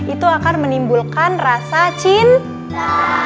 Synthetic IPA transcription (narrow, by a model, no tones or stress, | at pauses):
it̪uakarmənimbulkanrasat͡ʃin